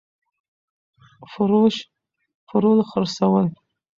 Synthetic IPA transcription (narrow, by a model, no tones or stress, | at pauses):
fʊɾuʃ | fʊɾulχəɾsawəl